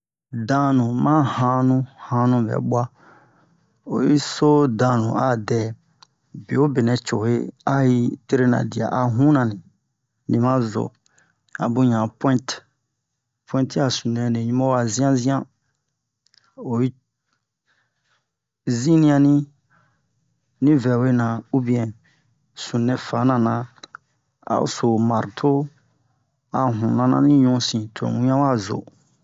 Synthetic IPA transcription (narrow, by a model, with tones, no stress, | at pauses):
dã˦nũ˨mã˦hã˧˦nũ˦hã˧˦nũ˧bɛ̰˨ɓwa˦ | o˨ji˦so˦dã˧˨nṵ̃˨a˦˨dɛ˨ | be˨o˦be˨nɛ̃˨t͡ʃo˨he˦a˦ji˦te˦ɾe˦nã̰˨di˨a̰˨ʔa˨ɦũ˦nã˨nĩ˨ | nĩ˨mã˦zo̰˨ | a̰˨bũ˦ɲã˨pwɛ̃˦nt | pwɛ̃˦ti˦a˨sũ˨nɛ̃˨ne˨ɲĩ˦mɔ˦wa˨zĩ˦ã˦zĩ˦ã˦ | o˨i˦ | zĩ˦nĩ˦ã˧˦nĩ˦ | nĩ˦vɛ˨we˦nã˨u˦bĩ˦ɛ̃˨ | sũ˨nɛ̃˨fa˨˦nã˨nã˨ | a̰˨˦˨so˨ma˨ɾtʰo˦ | a˨ɦũ˨nã˦nã̰˦nĩ˦ɲũ˦sĩ˨tʰõ̰˨ŋũ˦ɲ˦ã˦wa˦˨zo̰˨